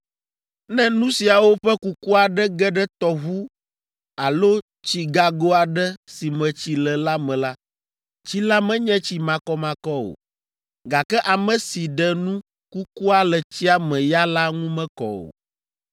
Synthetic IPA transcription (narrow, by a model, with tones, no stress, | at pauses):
nɛ̃˦nũ˦si˨a˨wo˦ɸɛ˦ku˦ku˦a˨ɖɛ˦ɡɛ˦ɖɛ˦t̪ɔ˦βu˦ | a˨lo˦ | t͡ɕi˨ɡa˨ɡo˦a˨ɖɛ˦si˨mɛ̃˨t͡ɕi˨lɛ˨la˦mɛ̃˨la˦ | t͡ɕi˦la˦mɛ̃˦ɲɛ̃˦t͡ɕi˨mã˨kɔ˦mã˨kɔ˦o̰˨ | ɡa˨kɛ˦ʔa˨mɛ̃˨si˨ɖɛ˨nũ˦ | ku˦ku˦a˦lɛ˨t͡ɕi˦a˦mɛ̃˨ja˦la˦ŋũ˦mɛ̃˦kɔ̰˨o̰˨